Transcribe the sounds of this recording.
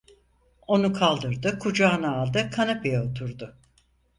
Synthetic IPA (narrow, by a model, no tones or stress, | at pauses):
o̞nukʰalˠd̪ɯɾd̪ɯkʰud͡ʒaːnaːlˠd̪ɯkʰanapijaot̪ʰuɾd̪ʊ